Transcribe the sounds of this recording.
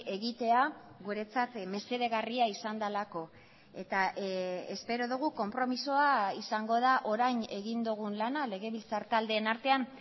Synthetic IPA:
e̞ɣit̪e̞aɣuɾe̞t͡sat̪me̞se̞ðe̞ɣariaisand̪alako̞ | e̞t̪aespe̞ɾoðuɣ̞uko̞mpɾo̞miso̞aisaŋɡo̞ðaʔo̞ɾajɲe̞ɣind̪uɣ̞unlanale̞ɣe̞βilt͡saɾt̪ald̪e̞ːnaɾt̪e̞an

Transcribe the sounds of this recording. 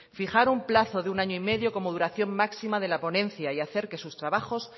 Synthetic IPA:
fixaɾumplaθo̞ðeunaɲoime̞ðjo̞ko̞mo̞ð̞uɾaθjo̞ŋmaksimað̞e̞lapo̞nẽ̞n̟θjaiaθe̞ɾke̞sust̪ɾaβaxo̞s

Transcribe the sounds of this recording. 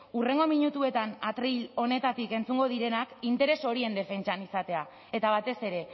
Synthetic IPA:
ure̞ŋɡo̞miɲut̪ue̞t̪anat̪ɾiʎo̞ne̞t̪at̪ike̞nt͡suŋɡo̞ð̞iɾe̞nakint̪e̞ɾe̞so̞ɾie̞nd̪e̞fe̞nt͡ʃanisat̪e̞a | e̞t̪aβ̞at̪e̞se̞ɾe̞

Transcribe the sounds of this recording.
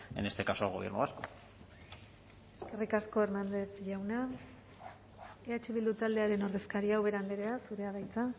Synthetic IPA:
ḛnest̪ekasoɣo̞βḛɾnuasko̞̰ | erikasko̞eɾmand̪et͡sʝawna | eat͡ʃeβild̪ut̪ald̪e̞aɾe̞no̞ɾðe̞skaɾiawβe̞ɾand̪eɾeasuɾe̞aβajt͡sa

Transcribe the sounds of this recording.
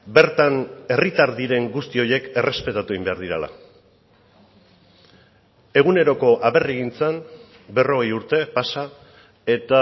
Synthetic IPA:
be̞ɾt̪ane̞rit̪aɾðiɾe̞ŋɡust̪io̞je̞ke̞rʔe̞spe̞t̪at̪ue̞imbeaɾðiɾala̰ | e̞ɣ̞une̞ɾo̞ko̞ʔaβe̞reɣint͡san | be̞ro̞ɣe̞juɾt̪e̞pasa | e̞t̪a

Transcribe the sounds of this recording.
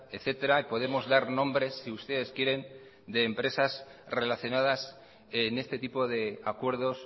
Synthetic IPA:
eθe̞t̪e̞ɾaipo̞ð̞e̞mo̞zðaɾnõ̞mbɾe̞sːiust̪e̞ðe̞skje̞ɾe̞n | d̪e̞ːmpɾe̞sasre̞laθjo̞nað̞as | ene̞st̪e̞t̪ipo̞ðe̞akwe̞ɾð̞o̞s

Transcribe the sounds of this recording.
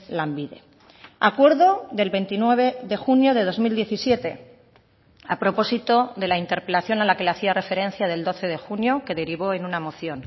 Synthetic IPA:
lambiðḛ | akwe̞ɾðo̞ðe̞lβe̞nt̪inwe̞β̞e̞ðe̞xunjo̞ð̞e̞ð̞o̞zmild̪je̞θisje̞t̪e̞ | a̰pɾo̞po̞sit̪o̞ðe̞laint̪e̞ɾpe̞laθjo̞nalake̞leaθiarefe̞ɾe̞n̟θjaðe̞ld̪o̞θe̞ð̞e̞xunjo̞ke̞ðe̞ɾiβ̞o̞e̞nunamo̞θjo̞n

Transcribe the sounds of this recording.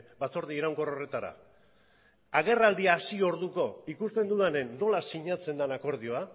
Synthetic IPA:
bat͡so̞ɾðiiɾawŋko̞rore̞t̪aɾa̰ | aɣ̞e̞rald̪iaːsio̞ɾðuko̞ikust̪e̞nd̪uðene̞nːo̞lasiɲat͡se̞nd̪anako̞ɾð̞io̞a

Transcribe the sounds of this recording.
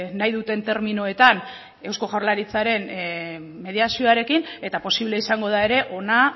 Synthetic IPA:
najðut̪e̞nt̪e̞ɾmino̞e̞t̪an | e̞wsko̞ɣawɾlaɾit͡saɾe̞n | me̞ð̞iasio̞aɾe̞kine̞t̪apo̞siβle̞isaŋɡo̞ð̞ae̞ɾe̞ʔo̞na

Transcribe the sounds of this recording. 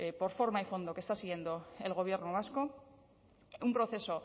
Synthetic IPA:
po̞ɾfo̞ɾmaifo̞nd̪o̞ke̞st̪asiɣje̞nd̪o̞e̞lɣo̞βje̞ɾnoβasko̞ | umpɾo̞θe̞so̞

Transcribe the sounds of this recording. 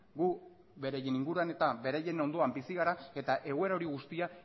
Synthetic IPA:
ɡu | βe̞ɾajeniŋɡuɾuane̞t̪aβe̞ɾajeno̞nd̪o̞ambisiɣaɾae̞t̪aʔe̞ɣ̞oe̞ɾao̞ɾiɣ̞ust̪ia

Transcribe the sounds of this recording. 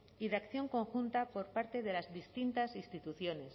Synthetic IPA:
iðakθjo̞ŋko̞ŋxunt̪apo̞ɾpaɾt̪e̞ðe̞lazðist̪int̪asist̪it̪uθjo̞ne̞s

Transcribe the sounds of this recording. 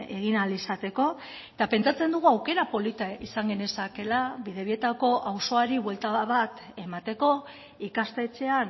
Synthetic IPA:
e̞ɣ̞inalisat̪e̞ko̞ | et̪ape̞nt͡sat͡se̞nd̪uɣ̞uawke̞ɾapo̞lit̪aisaŋɡe̞ne̞sake̞laβiðe̞βie̞t̪ako̞ʔawso̞aɾiβwe̞lt̪aβat̪ | e̞mat̪e̞ko̞ | ikast̪e̞t͡se̞an

